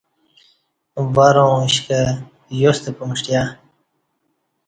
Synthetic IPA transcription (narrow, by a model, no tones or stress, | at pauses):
baɾõɕka | jost̪epumʂʈja